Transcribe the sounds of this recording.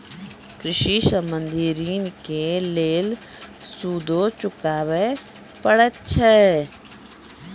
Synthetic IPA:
kɾɪʃiːsəmənd̪iːɾiːnkeleːl | suːd̪oːt͡ʃʊkaːʋe | pəɽətt͡ʃʰɛ

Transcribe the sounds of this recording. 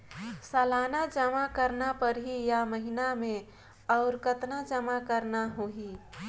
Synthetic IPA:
səlanad͡ʒəmakəɾnapəɾɦijaməɦinamẽ | ɔːʊɾkət̪nad͡ʒəmakəɾnaɦoɦi

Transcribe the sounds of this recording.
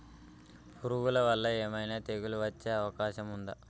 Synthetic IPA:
puɾuɡulɐʋɐlːɐeːmɐjnaːt̪eɡuluʋɐt͡ʃːeːɐʋɐkaːʃɐmund̪ɐ

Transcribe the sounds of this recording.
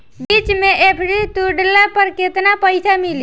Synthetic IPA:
biːt͡ʃmẽʔepʰɽit̪uɖlapəɾkɪt̪napəɪsʰamɪli

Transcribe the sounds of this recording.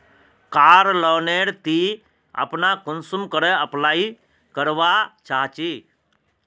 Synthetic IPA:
kaːɾlɔːneɽt̪i | ə̰pnakʊnsumkəɾəəplaːi | kəɾʋat͡ʃaɦt͡ʃi

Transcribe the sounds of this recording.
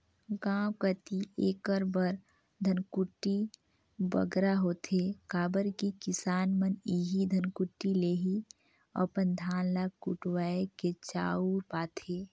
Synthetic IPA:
ɡãːwkət̪ieːkəɾbəɾ | d̪ʱənkuʈːi | bə̰ɡɾaɦoːt̪ʰekaːbəɾkikɪsaːnməniɦid̪ʱənkuʈːileːɦi | ə̰pənd̪ʱaːnlakuʈwaːeket͡ʃa̰ːuɾpaːt̪ʰeː

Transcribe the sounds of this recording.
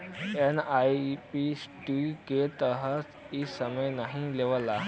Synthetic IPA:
enajpisʈiket̪əɦət͡s | isəməjnaɦĩleʋla

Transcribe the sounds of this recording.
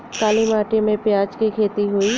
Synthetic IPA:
kaːlimaːʈemẽpjaːd͡ʒkikʰeːt̪iɦuiː

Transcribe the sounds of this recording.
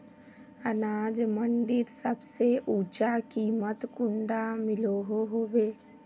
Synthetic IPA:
ənaːd͡ʒməɳɖɪt̪səbseʔuːt͡ʃakiːmət̪kʊɳɖamɪloɦoɦoːʋeː

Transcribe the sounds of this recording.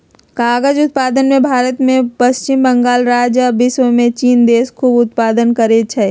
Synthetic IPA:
kaːɡəd͡ʒʊt̪̚paːd̪ənmẽbʱaːɾət̪mẽpəst͡ʃɪmbə̃ŋɡaːlɾaːd͡ʒəbɪswəmẽt͡ʃiːnd̪eːskʰuːbʊt̪paːd̪ənkəɾet͡ʃʰɛ

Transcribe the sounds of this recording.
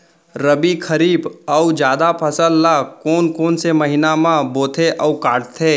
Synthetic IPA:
ɾəbikʰəɾiːbəʊd͡ʒjaːd̪apʰəsəlːakoːnkoːnseməɦinamãboːt̪ʰeʔɔkaːʈt̪ʰeː

